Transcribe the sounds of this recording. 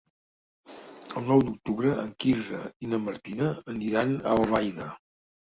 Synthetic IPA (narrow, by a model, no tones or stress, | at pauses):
əlˠnɔwd̪uk̚t̪uβɾəʔəŋkizə̰inəməɾt̪inəːniɾanəlβajnə